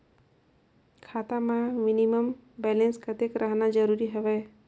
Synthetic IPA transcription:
kʰat̪amãminiməmbɛlenskət̪ekɾʔəɦnad͡ʒəɾuɾiɦeʋe

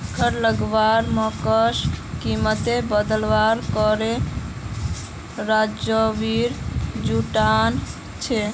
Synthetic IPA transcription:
kʰəɾləɡʋaɾməkəʃkimət̪ebəd̪əlʋaɾkɔɾe | ɾad͡ʒjəʋiɾd͡ʒuʈan | t͡ʃʰe

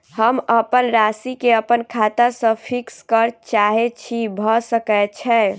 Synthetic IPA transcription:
həməpənɾasikeəpənkʰat̪asə̃pʰikskəɾt͡ʃaɦet͡ʃʰibʱɔsəkɛt͡ʃʰɛ

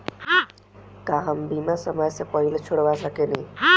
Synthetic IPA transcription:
kaɦəmbiːmasəməd͡ʒsepəɦilet͡ʃʰoɽʋasəkeni

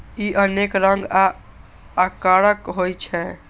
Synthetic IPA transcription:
iʔənekɾəŋɡaː | kaɾəkɦojt͡ʃʰɛ

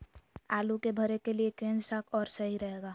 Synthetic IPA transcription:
aːlukebʱəɾekeliekẽːnsakʰɔːɾsɐɦiɾɐɦeːɡaː

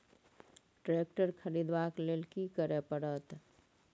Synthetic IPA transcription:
ʈɾek̚ʈəɾkʰəɾid̪baklelkikəɾepəɽət̪

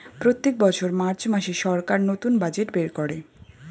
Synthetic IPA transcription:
pɾot̪ːek̚bɔt͡ɕʰoɾmaɾt͡ɕmaʃeʃɔɾkaɾnot̪unbad͡ʑeʈbeɾkɔɾe

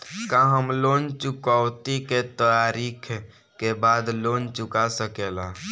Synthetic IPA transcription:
kãɦəmlont͡ʃukawt̪iket̪əjaɾikʰ | kebad̪lont͡ʃʊkasəkela

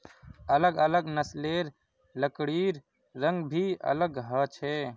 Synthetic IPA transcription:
ələɡələɡnəsleɾ | ləkɽiɾ | ɾəŋɡbʱiə̰ləɡɦət͡ʃʰɛ

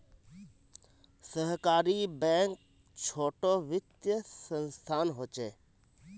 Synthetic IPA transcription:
səɦkaːɾibɛ̃ːŋk̚ | t͡ʃʰoːʈoʋɪt̪jəsənst̪ʰaːnɦoːt͡ʃeː

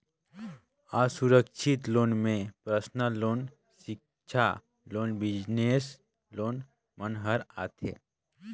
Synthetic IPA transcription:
aːsuɾəkʃʰɪt̪loːnmẽpɾəsnəloːn | sɪk | ʃʰa | loːnbɪd͡ʒneːs | loːn | mənɦəɾa̰ːt̪ʰḛː

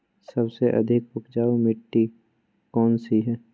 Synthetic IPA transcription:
sɐbseʔɐ̰d̪ʱɪkpʊkd͡ʒaːumɪʈːi | kɔːnsiɦɛː

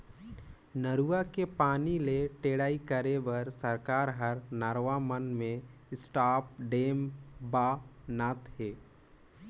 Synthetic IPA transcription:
nəɾuːakepaːnileʈeːɽaːikəɾebəɾsəɾkaːɾɦəɾnaɾʋamənmẽɪsʈaːp̚ɖeːmbaːnaːt̪ɦeː

